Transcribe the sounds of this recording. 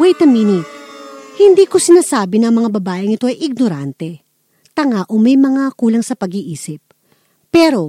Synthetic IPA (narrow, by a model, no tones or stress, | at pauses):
wɛjt̪ɐmiːnɪ | hɪnd̪iːko̞sɪnaːsaːbɪnɐŋmɐŋabɐbaːʔɪŋɪt̪o̞ʔɐjʔɪɡ̚noɾant̪ɛ | t̪ɐŋaːʔomɐjmɐŋakuːlɐŋsɐpɐɡiʔiːsɪp̚ː | ɛːɾo̞